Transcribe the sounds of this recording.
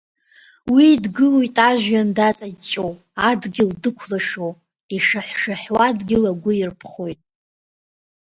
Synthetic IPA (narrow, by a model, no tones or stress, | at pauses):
wiːdɡɨlojtʼaʒʷᶣandat͡sʼat͡ʃʼow | adɡʲɪldɨkʷʰlaʂow | iʂaħʷʂaħwadɡʲɪlaɡʷʊirpʰχojtʼ